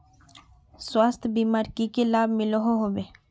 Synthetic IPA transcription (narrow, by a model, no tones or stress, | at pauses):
swaːst̪ʰbiːmaːɾkikelaːbmɪloɦoɦobeː